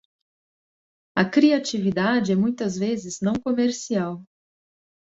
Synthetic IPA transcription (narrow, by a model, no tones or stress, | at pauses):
ɐkɾiat͡ʃivid̪ad͡ʒɪɛmũj̃t̪ɐzvezɪznɐ̃w̃komeɾsiaw